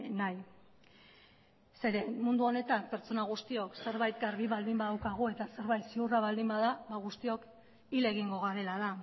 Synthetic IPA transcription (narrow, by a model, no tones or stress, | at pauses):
naj | se̞ɾe̞mund̪uo̞ne̞t̪ampe̞ɾt͡so̞naɣ̞ust̪io̞kse̞ɾβajt̪ɡaɾβiβald̪imbaðawkaɣ̞ue̞t̪ase̞ɾβajt̪siuraβald̪imbaðaβaɣ̞ust̪io̞k | ile̞ɣiŋɡo̞ɣaɾe̞laða